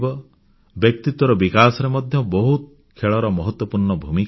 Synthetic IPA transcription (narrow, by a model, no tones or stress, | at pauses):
bɔ | bjek̚t̪it̪wɔɾɔbikasɔɾemɔd̪ʱjɔbɔɦut̪̚ | kʰeɭɔɾɔmɔɦɔt̪wɔpuɾɳɔbʱumik